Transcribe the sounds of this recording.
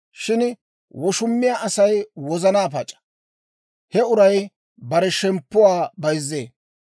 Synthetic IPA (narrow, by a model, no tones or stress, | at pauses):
ʃɪn | wɔʃʊmːɪjaʔɐsɐjwɔzɐnaːp̬ɐt͡ʃʼɐ̥ | hɛʊɾɐj | bɐɾɛʃɛmpːʊwaːbɐjzːeː